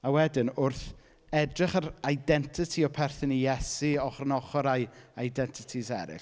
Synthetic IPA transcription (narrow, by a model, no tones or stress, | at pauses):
awɛdɪnʊrθ | ɛdrɪχaɾajdɛntʰɪtʰiɔpʰɛrθɪnijɛsiɔχrənɔχɔɾajajdɛntʰɪtʰizɛ̰ɾɪ̰